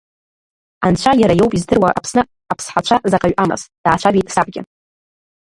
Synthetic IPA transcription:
ant͡ɕʷʰajaɾajowpʼizdɨrwaʔa̰pʰsnɨ | apʰsħat͡ʃʷʰazaqʼaɥʔama̰sd̥aːt͡ʃʷʰavitʼsab̚ʼɡʲɪ̰

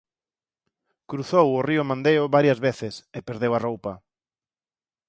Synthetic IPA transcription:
kɾuθowʊriʊmãnd̪ejʊβaɾjɐzβeθɪsepeɾðewarowpɐ

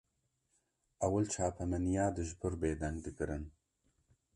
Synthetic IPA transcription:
ɐwalt͡ʃʰɑːpʰɐmɐnijɑːd̪ɨʒpʰɨɾbeːd̪ɐŋɡd̪ɨkɨɾɨn

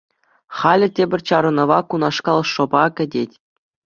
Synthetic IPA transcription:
χɑlʲɘ̆tʲebʲɘ̆rʲt͡ɕɑɾɤ̆nɤ̆ʋɑkunɑʂkɑlˠʂɤ̆bɑkʲɘ̆dʲetʲ

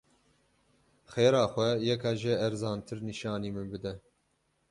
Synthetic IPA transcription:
xeːɾɑːxʷɛjɛkʰɑːʒɛɛɾzɑːnt̪ʰɨɾniʃɑːniːmɨnbɨd̪ɛ

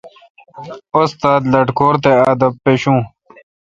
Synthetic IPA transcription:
ost̪aːd̪lɐʈkoːɾt̪eaːd̪ɐppːeɕũː

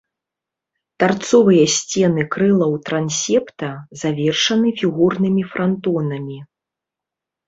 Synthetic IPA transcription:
t̪art̪sɔvɨjɐsʲt͡sʲɛnɨkɾɨlˠɐwt̪ɾansʲɛpt̪ɐzavʲɛrʂɐnɨfʲiɣurnɨmʲifɾant̪ɔnɐmʲi

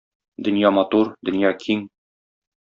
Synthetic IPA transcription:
d̪ɵ̆njɑmɒt̪uɾd̪ɵ̆njɑkʰiŋ

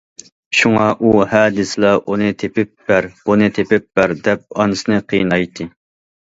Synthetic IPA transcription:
ʃuŋɑʔuhæːd̪ɨsɨlˠɑʔunɨt̪ʰepɪp̚b̥æɾb̥unɨt̪ʰepɪp̚bæɾd̪ɛp̚ɑnɨsɨnɨqʰḭjnɑjt̪ʰːɨ

